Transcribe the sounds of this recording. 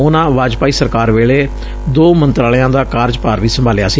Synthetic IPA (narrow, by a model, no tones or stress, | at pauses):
ʊnãːʋaːd͡ʒpaːiːsəɾkaːɾʋeːɭeː | d̪oːmənt̪ɾaːlɪjãːd̪aːkaːɾd͡ʒpaːɾʋiːsəmbʱaːlɪjaːsiː